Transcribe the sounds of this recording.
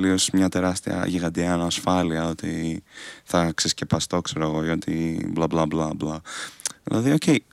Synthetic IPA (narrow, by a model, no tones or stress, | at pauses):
lio̞smɲɐt̪e̞ɾɐst̪iɐ̰ʝiɣɐd̪iɐnːsfɐliɐo̞t̪i | θɐksesce̞pɐst̪o̞kse̞ɾoɣo̞ʝɐt̪iblɐblɐblɐblɐðḭlʔɐðio̞ce̞j